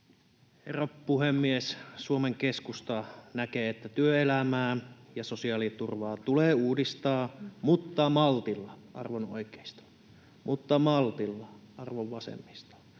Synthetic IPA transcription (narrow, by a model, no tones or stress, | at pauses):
hḛrɑppuhemːiessuomeŋkeskust̪ɑnækeːet̪ːæt̪yøelæmæːjɑsosiɑlit̪urʋɑːt̪uleːuːdist̪ɑːmut̪ːɑːmɑlt̪ilːɑɑrʋono̰ike̥ist̪o̥l | mʔut̪ːɑmɑlt̪ilːɑ | ɑrʋoʋʋɑsḛmːist̪o̥